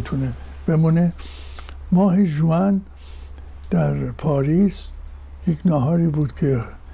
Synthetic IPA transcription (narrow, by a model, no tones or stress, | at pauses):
t̪ʰune | b̥e̞mune | mɒːɦeʒuæn | d̪̥æɾpʰɒːɾiːs | jekʰnɒːɦɒːɾiːbuːd̪̥kʰe